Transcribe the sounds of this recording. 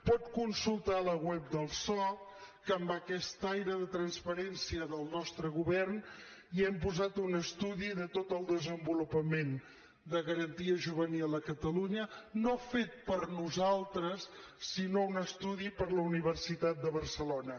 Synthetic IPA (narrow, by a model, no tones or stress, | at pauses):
pɔt̪kunsulˠt̪aləɣwɛp̚d̪əlˠsɔkəːmbəkɛst̪ajɾəðət̪ɾənspəɾɛnsiəðəlˠnɔst̪ɾəɣuβɛrn | iɛmpuzat̪unəst̪uðiðət̪ot̪əlˠd̪əzəmbulupəmen | d̪əɣəɾənt̪iəʒuβənilˠəkət̪əluɲənofet̪̚pəɾnuzalˠt̪ɾəsː | inounəst̪uðipəɾləuniβərsit̪at̪̚d̪əβərsəlonə